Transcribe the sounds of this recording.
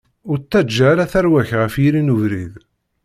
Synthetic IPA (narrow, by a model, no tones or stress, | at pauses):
ʊɾt̪ːæd͡ʒːæɾæθæɾwæçʁəfjiɾinuvɾið